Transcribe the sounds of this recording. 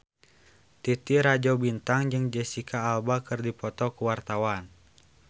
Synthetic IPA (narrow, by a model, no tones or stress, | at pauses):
t̪it̪iɾad͡ʒabint̪aŋd͡ʒɨŋd͡ʒɛsikaːlbakɨrdipɔt̪ɔkuwart̪awan